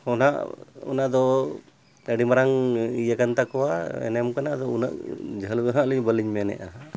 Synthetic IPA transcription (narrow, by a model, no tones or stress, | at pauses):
hɔna̰ʔɔ̰naʔd̪ɔ | aɖimaɾaŋijakant̪akɔwaɛ̰nɛmkanad̪ɔuna̰ʔd͡ʒʱəlɔɦaliɲbəliɲmɛnɛ̰ʔa̰ɦa